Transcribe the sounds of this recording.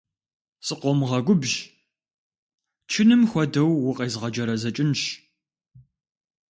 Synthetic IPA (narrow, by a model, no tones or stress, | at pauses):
sʼɨqʷɔmʁɐɡʷʊbʒ | t͡ʃʰɪnɨmxʷɔdɐwːʊqʼeːzʁɐd͡ʒɐɾɐzɐt͡ʃʼɪnʃ